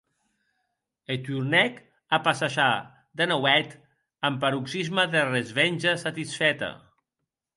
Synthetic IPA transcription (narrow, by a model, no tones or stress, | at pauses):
et̪uɾnɛk | apasaʒa | d̪enawɛt̪ | əmpaɾuksizməðerezβenʲʒəsat̪isfɛt̪a̰